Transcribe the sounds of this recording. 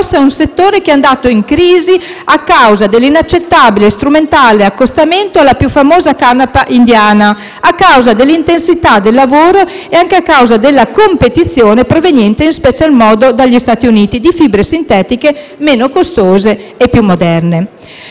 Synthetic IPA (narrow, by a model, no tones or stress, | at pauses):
sɛũnset̪ːoːɾek̟eand̪aːt̪oiŋkɾiːzi | akːawzad̪elːinat͡ʃːet̪ːabilest̪ɾument̪aːleakːost̪ament̪oalːapjufːamoːzakanapaʔind̪jaːna | akːawzad̪elːint̪ensit̪ad̪elːavoːɾo | eaŋkeakːawzad̪elːakompet̪it̪sːjoːnepɾovenjɛnt̪einspɛt͡ʃalmɔːd̪od̪aʎːist̪aːt̪iuniːt̪id̪ifibɾesint̪ɛːt̪ike | meːnokost̪oːze | epːjumːod̪ɛrne